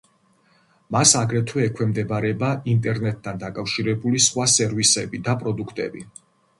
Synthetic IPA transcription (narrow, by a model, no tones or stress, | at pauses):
masaɡɾɛt̪ʰwɛːkʰwɛmd̪ɛbaɾɛbaint̪ʼɛɾnɛt̪̚ʼːand̪akʼafʃiɾɛbulisχwasɛɾvisɛbid̪apʼɾɔd̪ukʰt̪ʼɛ̰bi